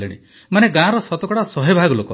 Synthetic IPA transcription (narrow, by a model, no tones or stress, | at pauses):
eɽ̃ḭ | maneɡãɾɔsɔt̪ɔkɔɽasɔɦebʱaɡɔlokɔ